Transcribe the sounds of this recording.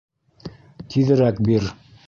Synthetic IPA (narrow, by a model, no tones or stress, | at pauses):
t̪ʰiðɘ̆ɾækbiɾ